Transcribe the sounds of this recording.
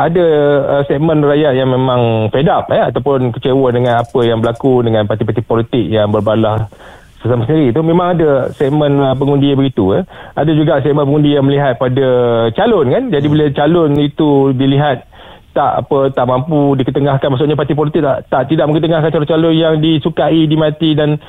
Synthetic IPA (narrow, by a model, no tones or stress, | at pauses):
adaəsɛk̚mənrajat̪̚jaŋmẽmãŋfedapəat̪awpʊnkət͡ʃewədəŋãnapəjaŋbəlakudəŋanpart̪ipart̪ipɔlit̪ɪk̚jaŋbərbalah | səsamasəndiɾit̪umẽmãŋadasɛʔ̚mə̃nəpəŋundibəɡit̪uadad͡ʒuɡaʔsɛk̚mənpəŋundijaŋməliɦat̪̚padat͡ʃalʊnkand͡ʒadibilət͡ʃalʊnit̪udiliɦat̪̚ː | aʔa̰pət̪aʔmampudikət̪əŋahkanmaʔs̬uʔɲapart̪ip̬ɔlit̪ɪk̚lat̪aʔt̪idaʔməŋkət̪əŋahkant͡ʃalʊnt͡ʃalʊnjaŋdisukaidimãt̪idan